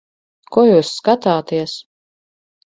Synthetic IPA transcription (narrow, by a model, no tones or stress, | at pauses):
kuɔjuːsːkat̪aːt̪iɛs